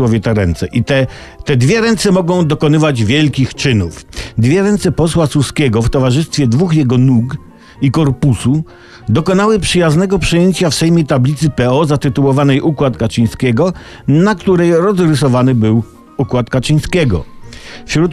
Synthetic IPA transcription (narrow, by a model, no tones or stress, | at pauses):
wɔvʲjɛt̪ɛɾɛnt̪sɛʔit̪ɛ | t̪ɛd̪vʲjɛɾɛnt̪sɛmɔɡɔ̃w̃d̪ɔkɔnɘvad͡ʑvʲjɛlkʲixt͡ʂɘnufd̪vʲjɛɾɛnt̪sɛpɔswasuskʲɛɡɔft̪ɔvaʐɘst̪fʲjɛd̪vuxjɛɡɔnuɡ | ikɔɾpusu | d̪ɔkɔnawɘpʂɘjaznɛɡɔpʂɨjeɲt͡ɕafsɛjmʲjet̪ablʲit̪sɘpɛɔzat̪ɘt̪uwɔvanɛjʔukwat̪kat͡ʂiɲ̃skʲɛɡɔ | nakt̪uɾɛjɾɔzɾɘsɔvanɘbɘw | ukwat̪kat͡ʂiɲ̃skʲɛɡɔ̰fɕɾut̪